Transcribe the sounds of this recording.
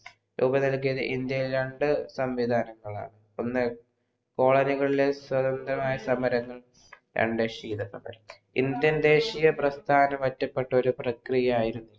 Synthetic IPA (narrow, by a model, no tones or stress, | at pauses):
ɾʔuːbɐnɐlk̬ːijɐðɨ̰ʔind̪jɐjilɾɐɳɖɨsɐmʋid̪ʱaːnɐŋːɐɭa̰ːɳɨ | onːɨ | ko̞ːɭɐniɣɐɭileswɐd̪ɐnd̪rɐmaːjɐsɐmɐɾɐŋːɐɭ | ɾʔɐ̰ɳɖeʂiːd̪ɐsɐmɐ̰ɾɐ | ḭnd̪jɐnd̪e̞ːʂijɐprɐst̪ʰaːnɐmʋɐtːɐpːe̞ʈːɐo̞ɾuprɐkrijɐaːjiɾunːu